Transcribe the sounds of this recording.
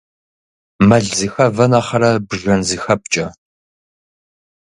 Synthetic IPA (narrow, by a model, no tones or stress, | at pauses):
mɐɮzɨxɐvɐnaːχɐɾɐbɨʒɐnzɨxɐp̚t͡ʃʼɐ